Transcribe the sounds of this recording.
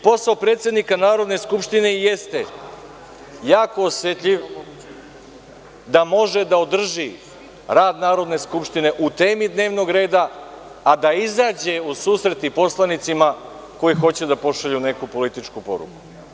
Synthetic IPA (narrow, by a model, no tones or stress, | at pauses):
po̞saopɾeːt̪sje̞d̪nikanaːɾo̞d̪ne̞skupʃt̪ine̞jest̪e̞ | jaːko̞ːsjet̪ʎiʋ | d̪amo̞ʒe̞d̪aod̪r̩ʒi | ɾaːd̪naːɾo̞d̪ne̞skupʃt̪ine̞ʔut̪e̞ːmid̪ne̞ːʋno̞ɡɾe̞ːd̪aː | d̪aizaːd͡ʑe̞usuːsɾe̞t̪ipo̞slˠanit̪sima | ko̞jixo̞t͡ɕed̪apo̞ʃaʎune̞kupo̞lit̪it͡ʃkupo̞̰ɾṵku̥